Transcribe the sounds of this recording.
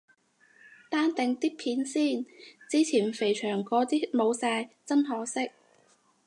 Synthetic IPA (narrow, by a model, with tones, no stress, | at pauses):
t̪aː˥nt̪ɪ˨ŋt̪iː˥k̚pʰiː˨˥nsiː˥˩nt͡siː˥t͡sʰiː˨˩nfe˨˩jt͡ʃʰœː˨˩ŋkɔː˨˧˥t̪iː˥mo˨˧wsaː˧jt͡sɐ˥nɦɔː˨˥sɪ˥k̚